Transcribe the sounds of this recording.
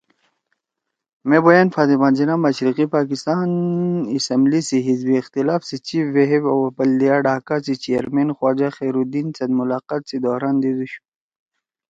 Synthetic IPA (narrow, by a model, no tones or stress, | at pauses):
mẽbojanfaːt̪imãːnd͡ʑinamɐɕɾiqipaːkist̪aːnisɐmblisiɦizbiːxt̪ilaːfset͡ɕiʋeɦebwbɐlːijaɖaːkasit͡ɕijɐɾmenxwaːd͡ʑaxeːɾud̪iːnsɐd̪mʊlaːqaːt̪sid̪ɔːɾaːnd̪id̪uɕu̥